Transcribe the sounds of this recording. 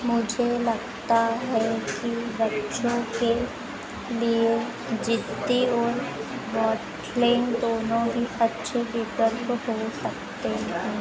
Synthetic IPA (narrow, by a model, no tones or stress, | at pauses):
mʊd͡ʒʱelɐɡt̪aɦɛkibɐtːʃõke | lie | d͡ʒɪd̪iɔːɾʋɔːʈ | leːnd̪oːnõɦiɐtːʃʰebiːpəɾkɦosɐk̚t̪eɦɛ̃ː